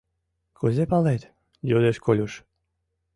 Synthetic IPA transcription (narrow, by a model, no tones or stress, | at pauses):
kʰuzʲepalet̪ʲ | jud̪eʃkolʲuʃ